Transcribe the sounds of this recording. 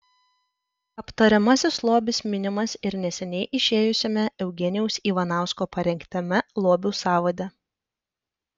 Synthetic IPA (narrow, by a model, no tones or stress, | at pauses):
ɐpt̪ɐɾʲɛmɐsʲɪslˠoːbʲɪsmʲɪnʲɪmɐsɪɾnʲɛsʲɛnʲɛɪʔɪʃʲeːjʊsʲoːmʲɛɛʊɡʲɛnʲɪjɛʊsiːʋɐnɑˑʊskoːpɐɾʲɛŋʲkʲt̪ʲɛmʲɛlˠoːbʲuːsɑːʋɐd̪ʲɛ